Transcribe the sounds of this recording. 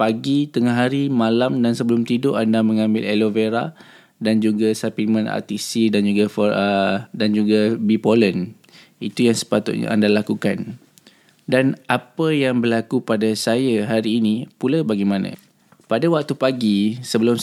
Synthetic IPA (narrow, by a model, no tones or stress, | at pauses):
paɡit̪əŋaɦaɾimãlamdansəbəlʊmt̪idʊʔandamə̃ŋãmbɪ̰leloveɾa̰ | dand͡ʒuɡasapimə̃na̰t̪isidand͡ʒuɡafɔədand͡ʒuɡabipolən | it̪ujaŋsə̥pat̪ʊ̰t̪̚ɲa̰a̰ndalakukan | danʔapəjaŋbərlakupadasajaɦaɾiːnipulabaɡimãnã̰ | padawak̚t̪upaɡisəbəlʊm